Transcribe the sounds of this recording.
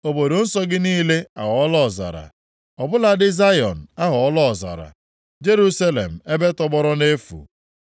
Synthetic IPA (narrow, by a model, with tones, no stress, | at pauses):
o˨bo˨do˨n̩˦sɔ˦ɡɪ˦niː˦le˦a˨ɦɔ˦lɔ˦˨za̰˨ɾa̰˨ | ɔ˨bʊ˦la˨dɪ˦za˦jɔ˨n̩˨a˦ɦɔ˨ɔ˦lɔ˦˨za̰˨ɾa̰˨ | d͡ʒe˦ɾu˦sa˦lḛ˨m̩˨e˦be˦tɔ˦ɡ͡bɔ˦ɾɔ˦ne˦fṵ˨